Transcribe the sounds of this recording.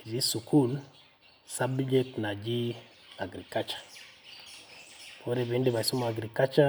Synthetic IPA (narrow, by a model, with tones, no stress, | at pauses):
i˨zi˦su˨kʰu˦l | sa˦bd͡ʒe˦k̚tna˨d͡ʒi˦ | a˨ɡɾi˨ka˦t͡ʃḁ˨ | fo˦ɾe˨be˦nde˦βa˨i˨su˦ma˨ɡɾi˨ka˦t͡ʃa˦